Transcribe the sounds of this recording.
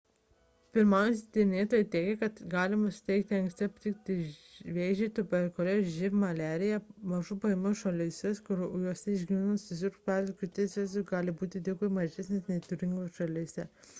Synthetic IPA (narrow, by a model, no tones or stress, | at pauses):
pʲɪɾmɑˑʊjsʲɪt̪ʲenʲeːt̪oːjɛt̪ʲɛːɡʲɛkɐt̪ɡɑːlʲɪmɐsʊ̥t̪ʲɛɪkt̪ʲɪɐ̃ŋksʲt̪ʲɪɐpʲt̪ʲɪkt̪ʲɪʋʲeːʒʲet̪ʊbʲɛɾʲkoːlʲeʒʲɪpmɐlʲæːɾʲɪjɛmɐʒʊpɐɪmʊʃɐlʲɪsʲɛskʊɾjuɔsʲɛɪʒʲɡʲiʋʲænɐnsʊzʲɪɾkpʲæɾd̪ʲɪkʲʊt̪ʲesʲʋʲɛsʲʊɡɑːlʲɪbuːt̪ʲɪd̪ʲɪɡomɐʒʲɛsʲnʲeːsʲnʲɛɪt̪ʊɾʲɪŋɡoːʃɐlʲiːsʲɛ